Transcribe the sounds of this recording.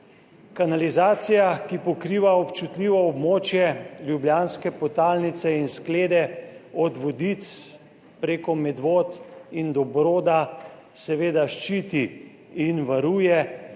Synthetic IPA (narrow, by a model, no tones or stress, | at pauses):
kanalizaːt̪sijakipɔkɾiːʋaɔpt͡ʃut̪liːʋɔɔbmoːt͡ʃjɛljubljaːnskɛpɔt̪aːlnit̪sɛinskleːd̪ɛɔd̪ʋɔd̪it̪s | pɾeːkɔmɛd̪ʋoːt̪ind̪ɔbɾoːd̪a | sɛʋeːd̪aʃt͡ʃiːt̪i | inʋaɾuːjɛ